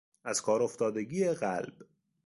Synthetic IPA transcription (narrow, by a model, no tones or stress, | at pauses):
æz̥kʰɒːɾo̞ft̪ɒːd̪eɡiːeɣælb̥